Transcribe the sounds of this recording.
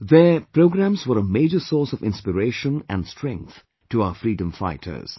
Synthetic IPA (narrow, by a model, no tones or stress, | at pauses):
ðəpɾoʊɡɾæ̃mzwəɾəmeɪd͡ʒəsɔːsɔvɪ̃nspəɾeɪʃə̃næ̰̃nstʰɹɛ̃ŋk̚θ | tuaʊəfɾiːdə̃mfa̰ɪtʰə̰˞z̥